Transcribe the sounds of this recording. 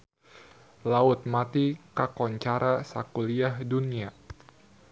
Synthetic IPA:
laʊt̪̚mat̪ikakɔɲt͡ʃaɾʔasa̰kuliahdunia

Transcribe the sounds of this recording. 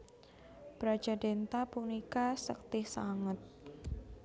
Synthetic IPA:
bɾad͡ʒadɛnt̪apunikasək̚t̪ɪhsaŋət̪̚

